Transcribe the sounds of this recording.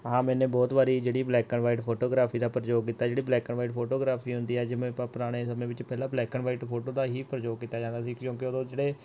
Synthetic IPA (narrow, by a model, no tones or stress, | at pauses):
ɦãːmɛ̃ːnẽːbɔːt̪ʋaːɾiːd͡ʒeːɽiːblɛːkəɳʋaːiʈpʰoːʈoːɡɾaːpʰiːd̪aːpəɾd͡ʒoːɡkiːt̪aːd͡ʒeːɽiːblɛːkəɳʋaːiʈpʰoːʈoːɡɾaːpʰiːɦʊ̃nd̪iːɛːd͡ʒɪmẽːppəɾaːɽ̃eːsəmẽːʋɪt͡ʃpɛːlaːblɛːkəɳʋaːiʈpʰoːʈoːd̪aːɦiːpəɾd͡ʒoːɡkiːt̪aːd͡ʒãːnd̪aːsiːkjõːkɪod̪õːd͡ʒeːɽeː